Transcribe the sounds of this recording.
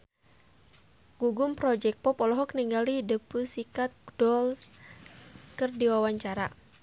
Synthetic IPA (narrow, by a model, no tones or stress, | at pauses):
ɡ̥uɡumpɾɔd͡ʒɛk̚pɔpɔlɔɦɔkniŋɡalidəpusikat̪̚ɡdɔls | kɨrdiwawaɲt͡ʃaɾa